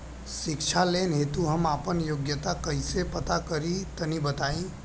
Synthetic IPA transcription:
ʃɪkʃʰaleːnɦeːt̪uɦɐmaːpənjoːɡjət̪akɐɦisepɐt̪akɐɾit̪ɐnibɐt̪aːĩ

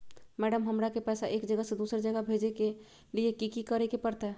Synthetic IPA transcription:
mɛːɖəmɦəmɾakepɛːsaʔeːkd͡ʒəɡased̪usɾd͡ʒəɡabʱed͡ʒeke | liekikikəɾɛkepəɾt̪ɦɛ

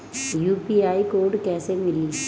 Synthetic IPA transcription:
juːpiaːikoːɾɖkɛːsemɪlːi

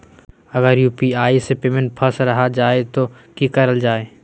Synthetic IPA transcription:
ɐɡəɾjuːpiaːisepeːmẽɳʈ̚pʰəsɾɐɦad͡ʒaːet̪okikɐɾəld͡ʒaːeː

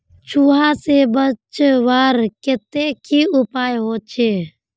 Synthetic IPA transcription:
t͡ʃʰuːɦasebət͡ʃʋaːɾkɪt̪ekʰiʊpaːjɦoːt͡ʃʰeː

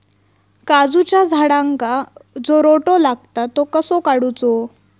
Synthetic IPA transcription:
kad͡zut͡ɕjad͡zʱaɽãŋkad͡zoɾoʈolaɡ̚t̪at̪ːokəsokaɽut͡sɔ

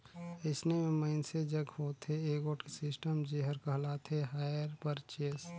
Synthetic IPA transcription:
əɪsnemẽməɪnsed͡ʒəɡhoːt̪ʰeeːɡoːʈkesɪsʈəmd͡ʒeɦəɾkəɦlaːt̪ʰeɦaːjəɾpəɾt͡ʃeːs

